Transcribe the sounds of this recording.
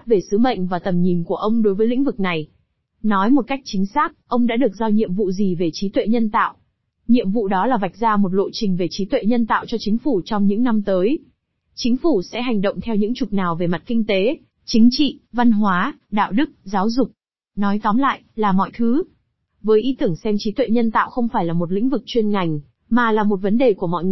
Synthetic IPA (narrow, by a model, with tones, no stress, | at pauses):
t̚ve˨˩sɨ˨˦ɓə̰˧˨jŋ̟vaː˨˩t̪ə˨˩mɲi˨˩nku˧˩əʔə˧wŋ͡mɗo˨˦jvəː˨˦jlḭ˧˥ŋ̟vɨ˨˩k̚na˨˩j | nɔ˨˦jmo˨˩t̚ka˦˥jk̚t͡ɕï˨˦ŋ̟saː˦˥k̚ʔə˧wŋ͡mɗa̰ː˧˥ɗɨ˨˩ək̚zɔ˧wɲḭ˧˨əmvṵ˧˨zi˨˩ve˨˩t͡ɕi˨˦t̪wḛ˧˨ɲə˧nt̪a̰ː˧˨w | ɲḭ˧˨əmvṵ˧˨ɗɔ˨˦laː˨˩va˨˩jk̟̚zaː˧mo˨˩t̚lo̰˧˨t͡ɕï˨˩ŋ̟ve˨˩t͡ɕi˨˦t̪wḛ˧˨ɲə˧nt̪a̰ː˧˨wt͡ɕɔ˧t͡ɕï˨˦ŋ̟fu˧˩t͡ɕɔ˧wŋ͡mɲɨ̰˧˥ŋna˧mt̪əː˨˦j | t͡ɕï˨˦ŋ̟fu˧˩sɛ̰˧˥ɦa˨˩jŋ̟ɗə̰˧˨wŋ͡mt̪ʰɛ˧wɲɨ̰˧˥ŋt͡ɕʊ˨˩k͡p̚naː˨˩wve˨˩ma˨˩t̚kï˧ŋ̟t̪e˨˦ | t͡ɕï˨˦ŋ̟t͡ɕḭ˧˨va˧nɦwaː˨˦ɗa̰ː˧˨wɗɨ˦˥k̚zaː˨˦wzʊ˨˩k͡p̚ | nɔ˨˦jt̪ɔ˨˦mla̰ː˧˨jlaː˨˩mɔ̰˧˨jt̪ʰɨ˨˦ | vəː˨˦jʔi˨˦t̪ɨ˧˩əŋsɛ˧mt͡ɕi˨˦t̪wḛ˧˨ɲə˧nt̪a̰ː˧˨wxə˧wŋ͡mfaː˧˩jlaː˨˩mo˨˩t̬̚lḭ̈˧˥ŋ̟vɨ˨˩k̚t͡ɕwi˧ənŋa˨˩jŋ̟ | maː˨˩laː˨˩mo˨˩t̚və˨˦nɗe˨˩ku˧˩əmɔ̰˧˨